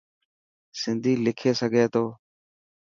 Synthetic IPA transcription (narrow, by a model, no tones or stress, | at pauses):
sɪnd̪ʱiːlɪkʰeːsəɡʱeːt̪oː